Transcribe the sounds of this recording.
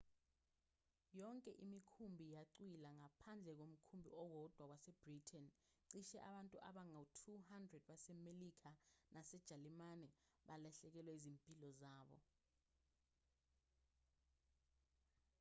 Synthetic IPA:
jɔŋkʼɛʔimikʰumbʱijaǀwilaŋapʰand͡ɮʱɛk̬om̩kʰumbʱḭɔwɔd̥ʱwak̬wasɛb̥ritʰɛn | ǀiʃɛʔaɓantʼuʔaɓaŋautʰuhandrɛd̥̚ɓasɛmelik̬ʰanʔasɛd̥ʒ̥ʱalimanɛɓalaɬɛk̬ɛlwɛizimpʼilɔzaːɓɔ̰

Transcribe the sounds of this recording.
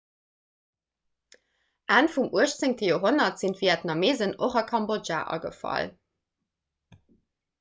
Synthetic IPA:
ʔaːnfumuəʃt͡səŋtʰəjoːɦonɐtz̥intviɛtnɑmeːzənoχɑkʰɑmboʒa̰ːʔɑ̰ɡə̰fɑ̰l

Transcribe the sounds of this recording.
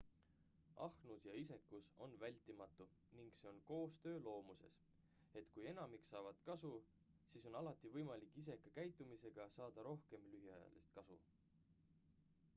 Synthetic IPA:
ʔɑ̰hnusjɑise̞kːuso̞nvælʲt̪ːˑimɑt̪ˑːu | niŋɡ̥se̞o̞nko̞ːst̪ø̞ːlo̞ːmuse̞̰s | e̞t̪kujenɑmiksɑːvɑd̪̥kɑsu | siːso̞nɑlɑt̪ːˑivɤjmɑlikːˑis̬e̞kɑkæjt̪ːˑumise̞ɡ̥ɑsɑːd̪̥ɑɾo̞hke̞mlyɦjɑjɑ̰lḭst̪̚kɑsṵ

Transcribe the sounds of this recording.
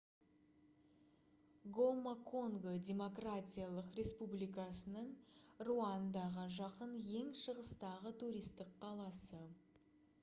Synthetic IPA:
ɡomakʰoŋɡodʲe̞mo̞kratʲijalˠəqre̞spublijkɑsənəɴruɑnd̪ɑʁəʒɑqənje̞ŋʃəʁəst̪ɑʁət̪ʰuɾijst̪ɪk̚qʰɑlˠɑsə

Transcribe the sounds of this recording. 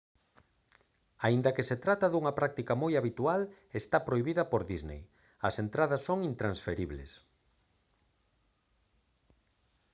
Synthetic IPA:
aind̪ɐkeset̪ɾat̪ɐðuŋɐpɾak̚t̪ikɐmojaβit̪ual | est̪apɾoiβiðɐpoɾðiznḛj | ɐsent̪ɾaðɐsːoŋint̪ɾansfeɾiβlḛs

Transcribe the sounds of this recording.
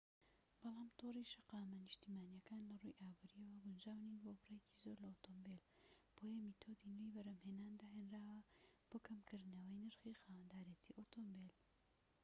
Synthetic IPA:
b̥ɑlɑːmt̪ʰoriʃɐqɑːmɐnɨʃt̪iːmaːnjɐkaːnlɐrṵjʔaːbuːɾiɐwɐɡʊnd͡ʒaːwninbobrejeci̥zoɾlɐot̪ʰombel | b̥oːjɐmit̪ʰoːd̪inejbɐɾɐmhenaːnd̪aɦenraːwɐb̥oːkʰɐmkʰɨɾd̪nɐwəjnɨɾxixaːwɐnd̪aːɾjet̪ʰiːʔot̪ʰombel

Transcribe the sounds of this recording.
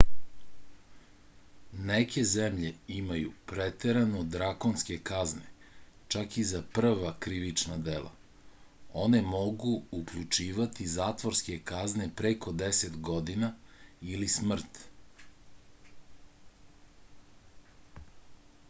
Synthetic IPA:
nekʰe̞zemʎe̞imajṵpɾet̪eɾanod̪ɾakonske̞kaznḛt͡ʃakizapr̩ʋakɾiʋit͡ʃnad̪elˠa̰ | o̞ne̞mo̞ɡuːkʎut͡ʃiːʋat̪izaːt̪ʋoɾske̞kazne̞pɾekʰo̞d̪eset̪ɡo̞d̪inailismr̩t̪

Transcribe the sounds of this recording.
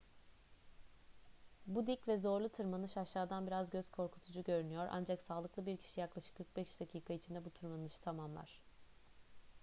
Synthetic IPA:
bud̪icvɛzo̞ɾlˠut̪ʰɯɾmanɯʃaʃːaːd̪anbiɾazɟøzkʰo̞ɾkʰu̥t̪ʰud͡ʒuɟø̞ɾynyjo̞ɾʔa̰nd͡ʒaksaːlˠɯklˠɯbiɾcʰi̥ʃijaklˠaʃɯ̥kʰːɯɾk̚bɛʃd̪acʰiːkʰait͡ʃʰind̪ɛbut̪ʰɯɾmanɯʃt̪ʰamamlˠa̰ɾ̥

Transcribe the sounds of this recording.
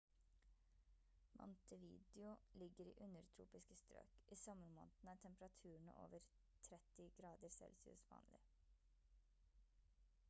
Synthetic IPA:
mʔɔ̰nt̪əʋḭːd̪ɪʊlɪɡəɾḭːʔʉnəɾt̪ʰɾṵːpɪskəst̪ɾø̰ːkʔiːsɔməɾmo̰ːnt̪n̩æːʈʰɛmpɾɑt̪ʰʉːəɳ̩̰o̰ːʋəɾ | t̪ʰɾɛt̪ɪɡɾɑːd̪əɾsɛ̰lsɪʉ̰sʋɑ̰ːnlɪ

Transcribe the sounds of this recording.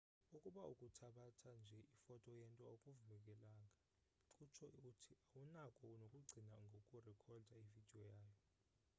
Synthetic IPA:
ukʼuɓaukʼutʰaɓatʰand͡ʒʱɛʔifɔtʼɔjɛntʼɔokʼuvulɛk̬ʼɛlaːŋʱʼa | ǀut͡ʃʰɔutʰiawunakʼɔnokʼuɡ͡ǀʱinaŋɡʱokʼurɛkʰɔldʱaivid̥ʱiɔjaːjɔ

